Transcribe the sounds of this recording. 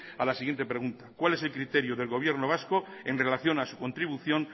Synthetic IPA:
alasiɣjent̪epɾe̞ɣ̞unt̪akwale̞se̞lkɾit̪e̞ɾjoðe̞lɣo̞β̞je̞ɾnoβ̞asko̞enre̞laθjo̞nasukont̪ɾiβ̞uθjo̞n

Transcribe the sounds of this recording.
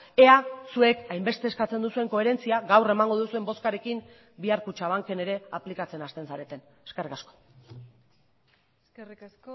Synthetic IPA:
e̞asue̞kajmbe̞st̪e̞ːskat͡se̞nd̪usue̞ŋko̞e̞ɾe̞nt͡siaɡawre̞maŋɡo̞ðusue̞mbo̞skaɾe̞kim | biaɾkut͡ʃaβ̞aŋke̞ne̞ɾe̞aplikat͡se̞nast̪e̞nsaɾe̞t̪en | eske̞rikasko̥ | seriks

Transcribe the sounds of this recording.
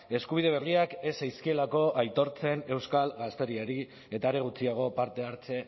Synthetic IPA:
e̞skuβ̞iðe̞β̞e̞riake̞sajskie̞lako̞ʔajt̪o̞ɾt͡se̞ne̞wskalɣast̪e̞ɾieɾi | e̞t̪aeɾe̞ɣ̞ut͡siaɣ̞o̞paɾt̪e̞aɾt͡se̞

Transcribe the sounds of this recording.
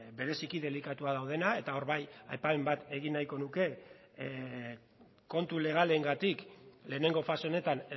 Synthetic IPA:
be̞ɾe̞sikiðe̞likat̪uað̞awðe̞nae̞t̪ao̞ɾβaja̰jpaembat̪e̞ɣ̞inːajko̞nuke̞ | ko̞nt̪ule̞ɣ̞ale̞ŋɡat̪ikle̞ːne̞ŋɡo̞fasone̞t̪an

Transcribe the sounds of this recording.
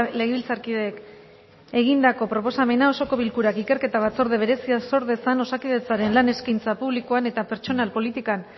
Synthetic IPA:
le̞ɣeβilt͡saɾkiðeːk | e̞ɣind̪ako̞pɾo̞po̞same̞nao̞so̞ko̞βilkuɾakike̞ɾke̞t̪aβ̞at͡so̞ɾðeβ̞e̞ɾe̞siaso̞ɾðe̞sano̞sakiðe̞t͡saɾe̞nlane̞skajnt͡sapuβlikoane̞t̪ape̞ɾt͡ʃo̞nalpo̞lit̪ikan

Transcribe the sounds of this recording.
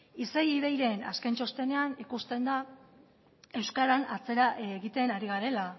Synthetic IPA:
isejið̞e̞jɾe̞na̰skent͡ʃo̞st̪e̞ne̞anikust̪e̞nd̪a | e̞wskaɾanat͡se̞ɾaʔeɣit̪e̞naɾiɣaɾe̞la

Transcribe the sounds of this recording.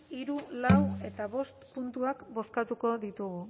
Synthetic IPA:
iɾulawe̞t̪aβ̞o̞st̪punt̪uakbo̞skat̪uko̞ðit̪uɣu

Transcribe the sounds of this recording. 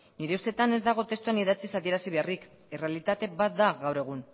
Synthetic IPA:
niɾe̞ust̪e̞t̪ane̞zd̪aɣ̞o̞t̪e̞st̪uaniðat͡sisaðie̞ɾasiβ̞e̞arik | e̞re̞alit̪at̪e̞bat̪̚d̪aɣawɾeɣ̞un

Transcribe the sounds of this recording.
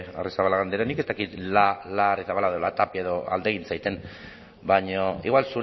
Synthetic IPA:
arisaβalaɣand̪eɾanike̞st̪akit̪lalarisaβalaeðolat̪apie̞ðo̞a̰ld̪e̞ɣ̞int͡sajt̪en | baɲoḭɣwalsuɾ

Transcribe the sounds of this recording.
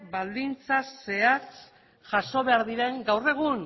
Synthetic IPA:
bald̪int͡sase̞as | ʝaʃo̞βe̞aɾðiɾe̞ŋɡawre̞ɣ̞un

